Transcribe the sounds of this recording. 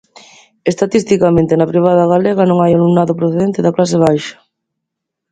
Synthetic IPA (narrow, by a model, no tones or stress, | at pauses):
est̪at̪ist̪ikamẽnt̪ɪnɐpɾiβ̞aðɐɣaleɣ̞ɐnõŋajalumnaðʊpɾoθeðent̪ɪðɐklas̬ɪβajʃɐ̥